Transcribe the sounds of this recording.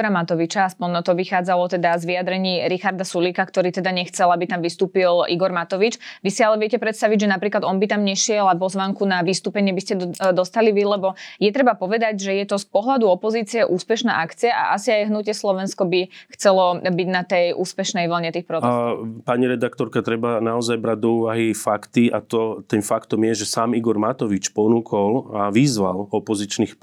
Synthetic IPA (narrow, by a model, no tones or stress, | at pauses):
ɾamat̪ɔʋit͡ʃaaspɔnnɔt̪ɔʋixaːd͡zalɔt̪ɛd̪azʋiad̪ɾɛɲiːɾixaɾd̪asuliːkakt̪ɔɾiːt̪ɛd̪aɲɛxt͡sɛlabit̪amʋist̪uːpilʔiɡɔɾmat̪ɔʋit͡ʃʋisialɛʋɛcɛpɾɛt̪st̪aʋiɟʒɛnapɾiːklad̪ɔnbit̪amɲɛʃɪɛlapɔzʋaŋkunaʋist̪uːpɛɲɪɛbiscɛd̪ɔst̪aliʋilɛbɔjɛt̪ɾɛbapɔʋɛd̪aɟʒɛjɛt̪ɔspɔɦlad̪uɔpɔziːt͡siɛʔuːspɛʃna̰ːʔakt͡siaʔa̰ʔasiajɦnucɪɛslɔʋɛnskɔbixt͡sɛlɔbiɟnat̪ɛjʔuːspɛʃnɛjʋl̩ɲɛt̪iːxpɾɔt͡sɛpaɲiɾɛd̪akt̪ɔɾkat̪ɾɛbanaɔzajbɾaɟ̚d̪ɔuːʋaɦifakt̪iat̪ɔt̪ɛnfakt̪ɔmjɛʒɛsaːmiɡɔɾmat̪ɔʋit͡ʃpɔnukʰɔlaʋizʋa̰lɔpɔzit͡ʃniːx